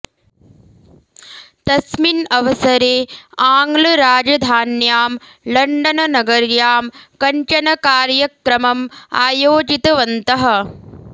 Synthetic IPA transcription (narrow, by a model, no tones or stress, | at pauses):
t̪ɐsminɐʋɐsɐɾeːaːŋɡlɐɾaːd͡ʒɐd̪ʱaːnjaːm | lɐɳɖɐnɐnɐɡɐɾjaːmkɐɲt͡ʃɐnɐkaːɾjɐkɾɐmɐma̰ːjoːd͡ʒit̪ɐʋɐnt̪ɐɦɐ̆